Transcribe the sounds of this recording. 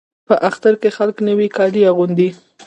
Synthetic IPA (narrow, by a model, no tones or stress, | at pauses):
pəʔaxt̪aɾkexalknəwikɑliaɣund̪i